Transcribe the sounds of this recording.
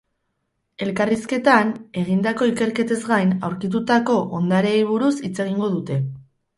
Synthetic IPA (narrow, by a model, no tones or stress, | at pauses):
e̞lkariske̞t̪ane̞ɣ̞ind̪ako̞ike̞ɾke̞t̪e̞zɡajna̰wɾkit̪̬ut̪ako̞ʔond̪aɾe̞ːjβ̞uɾusit͡se̞ɣiŋɡo̞ðut̪e̞